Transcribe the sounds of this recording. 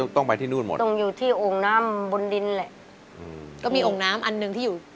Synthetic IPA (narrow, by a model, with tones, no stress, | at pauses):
t̪ɔ˥˩ŋpa˧jt̪ʰiː˥˩nu˥˩nmo̰˨˩t̪o˧ŋjuː˨˩t̪ʰiː˥˩ʔoː˨˩ŋnaː˦˥mbu˧ndi˧nlɛ˨˩ʔ | ʔʔɯ˧˩kɔː˥˩miː˧ʔoː˨˩ŋnaː˦˥mʔa˧nːɯ˨˧˩ŋt̪ʰiː˥˩juː˨˩